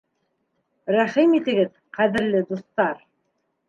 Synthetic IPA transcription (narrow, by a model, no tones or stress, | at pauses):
ɾæχimit̪ɘ̆ɡɘð | qæðɘ̆ɾlɘd̪ust̪ɑɾ